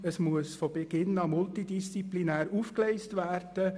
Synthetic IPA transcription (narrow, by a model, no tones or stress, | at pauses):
əsmuəsfɔb̥ɛɡ̥ɪnɑmʊltidist͡siplinæːɾuːfklɛɪstʋæːrd̥ə